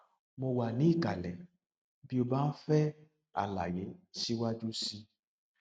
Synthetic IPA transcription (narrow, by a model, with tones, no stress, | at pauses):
mo˧wa˨nĩ˨˦i˦˨ka˨lɛ˨ | bi˦o˧ba˦fɛ˦ | a̰˨la̰˨je˨˦si˦wa˦d͡ʒu˦si˧